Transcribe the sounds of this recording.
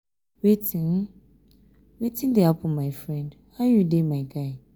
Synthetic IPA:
wetʰĩn | wetʰɪ̃ndeapʰʊ̃mãɪfɹɛ̃ndhajudemãɪɡaɪ

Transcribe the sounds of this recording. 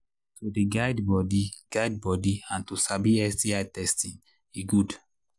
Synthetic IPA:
todeɡaɪdbɔdiɡ̥aɪd̚bɔdiãntusabiɛstiaɪtɛstĩn | iɡud

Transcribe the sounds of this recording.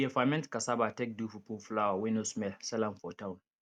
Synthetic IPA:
jɛfamɛ̃ntkasabatɛk̚dufupoflawawindosmɛlsɛlanfɔtawũn

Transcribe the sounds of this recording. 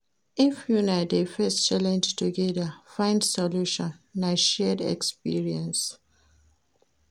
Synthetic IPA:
ĩnfjunadefɛst͡ʃalɛ̃nd͡ʒtʰuɡɛðafãɪ̃ndsɔluʃɔ̃nːaʃɛdɛ̰kspḭɹiɛ̃ns

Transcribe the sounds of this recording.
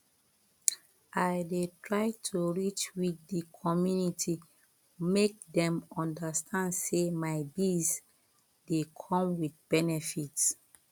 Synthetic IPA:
ʔajdetʰɹaɪtʰuɹit͡ʃwitdikʰɔmjunitʰi | mek̚dɛ̃mɔ̃ndastʰãndsemaɪbis | dekʰɔ̃mwiθ̚b̥ɛnɛfits

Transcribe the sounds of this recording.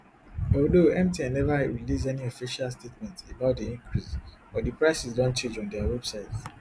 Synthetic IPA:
ɔldoɛ̃mtiãnːɛvaɹilis̬ɛniofiʃalstetmɛ̃ntebaʊt̚diĩŋkʰɹis | fɔdipɹaɪsisdɔ̃nt͡ʃẽnd͡ʒɔ̃ndɛawɛbsaɪt

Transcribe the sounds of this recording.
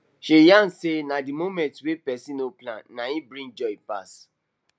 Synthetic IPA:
ʃejan̩senadimomɛ̃ntwepɛsĩnoplã̰nːãĩbɾĩnd͡ʒɔipas

